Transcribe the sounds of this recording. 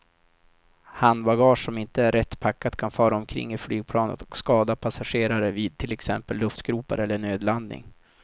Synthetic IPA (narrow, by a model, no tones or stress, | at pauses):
hanbaɡɑːʂɔmɪnt̪əæɾːɛt̪ːpʰakːat̪kʰanfœːɾaɔmkʰɾɪ̰ŋːɪflyːɡ̚pʰlɑːnə̰t̪ɔ̥kskɑːd̪apʰasaɧeːɾaɾəviːd̪̚t̪ʰɪlɛksɛ̰mpəlːɵft̪ɡɾuːpa̰ɾɛlːəɳøːd̪land̪nɪ̰ŋ